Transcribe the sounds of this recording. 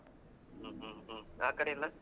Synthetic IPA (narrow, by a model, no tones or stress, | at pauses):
aːkːɐɽɐjɪlːɐ